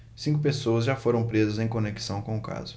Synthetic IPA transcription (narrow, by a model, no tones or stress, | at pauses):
sĩŋkʊpesowɐzʒafoɾɐ̃w̃pɾezɐzẽj̃koneki̥sɐ̃w̃kõʊka̰zʊ